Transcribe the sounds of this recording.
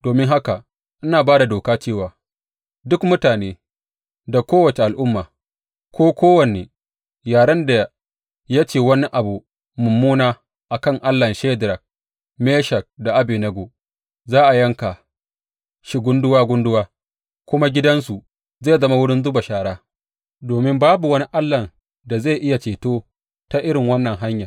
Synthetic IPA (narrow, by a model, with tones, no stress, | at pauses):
d̥oː˨mɪ˦ŋɦa˦ka˨ | ʔɪ˦naː˨baː˦da˨doː˨kaː˦t͡ʃeː˦˨waː˨ | dʊ˦kmʊ˦taː˨neː˦ | da˨kʷoː˦wɐ˨t͡ʃe˨ʔa˨lʔʊ˦mːaː˨ | kʷoː˦kʷoː˦wɐ˨neː˨ | jaː˨ɽɐ˦nda˨ | ja˦t͡ʃeː˨wɐ˦ni˦ʔa˨bu˨ | mʊ˨mːuː˦naː˦ | ʔa˨kɐ˦˨ŋʔa˦lːɐ˨nʃe˦dɾɐ˨k̚ | meː˦ʃɐ˨k̚da˨ʔa˦bi˨nɐ˦ɡoː˨ | zaː˦ʔa˨jɐ˦ŋka˨ | ʃi˦ɡʷʊ˦ndʊ˦waː˦ɡʷʊ˦ndʊ˦waː˦ | kʷʊ˦ma˦ɡʲɪ˦dɐ˦nsu˨ | zeː˦˨zɐ˦ma˦wʊ˦ɽɪ˦nzʊ˦ba˨ʃaː˨ɽaː˦ | doː˨mɪ˦mbaː˦bu˨wɐ˦ni˦ʔa˦lːɐ˨n | da˨za˦˨ʔɪ˦ja˨t͡ʃeː˨toː˦ | ta˦ʔɪ˦ɾɪ˨ŋwɐ˦nːɐ˨ŋɦa˦ɲja˨